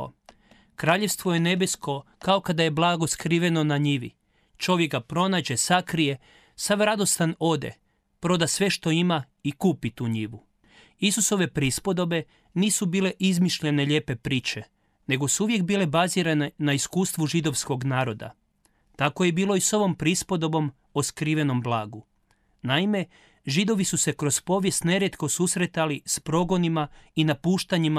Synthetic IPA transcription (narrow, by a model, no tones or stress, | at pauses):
kɾaːʎe̞ʋst̪ʋo̞je̞ne̞besko̞ | kao̞kad̪aje̞blˠaːɡo̞skɾiːʋe̞no̞naɲiʋḭ | t͡ʃo̞ʋjeɡ̚ɡapɾo̞naːd͡ʑe̞sakɾije̞ | saʋɾad̪o̞st̪ano̞d̪e̞̰ | pɾo̞d̪asʋe̞ʃt̪o̞ima | ikuːpit̪uːɲiʋu | isuso̞ʋe̞pɾiispo̞d̪o̞be̞ | niːsubiːle̞ʔizmiʃʎe̞ne̞ʎe̞ːpe̞pɾiːt͡ɕe̞ | ne̞ɡo̞suuʋje̞kbiːle̞baziːɾanenaiskuːst̪ʋuʒid̪o̞ʋsko̞ɡnaːɾo̞d̪a̰ | t̪ako̞je̞biːlˠo̞iso̞ʋo̞mpɾispo̞d̪o̞bo̞m | oskɾiʋe̞no̞mblˠaːɡu | naime̞ | ʒid̪o̞ʋisuse̞kɾo̞spo̞ːʋje̞st̪ne̞ɾjet̪ko̞susɾet̪alispɾo̞ɡo̞nimainapuːʃt̪aɲim